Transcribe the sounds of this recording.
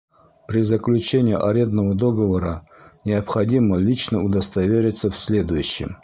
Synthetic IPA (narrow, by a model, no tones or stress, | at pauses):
pɾʲɪzəklʲut͡ɕenʲɪiʔɐ̰ɾʲɛnd̪nəvəd̪oɡəvəɾə | nʲɪɐpxɐdʲiməlʲit͡ɕnəud̪ɐst̪ɐvʲeɾʲɪt̪səfsʲlʲe̞d̪ʊjʊɕːɪ̰m